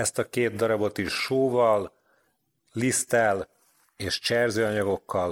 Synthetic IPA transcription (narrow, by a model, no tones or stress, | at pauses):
ɛst̪ɒkeːt̪̚d̪ɒɾɒbo̞t̪iʃːoːvɒl | ist̪ɛl | eːʃt͡ʃɛrzøːɒɲɒɡo̞kːɒl